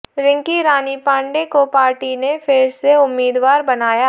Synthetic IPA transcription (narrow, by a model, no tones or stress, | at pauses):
ɾɪ̃ŋkiɾaːnipãːɳɖekopaːɾʈinefʰɪɾseʊmːiːd̪ʋaːɾbɐnaːja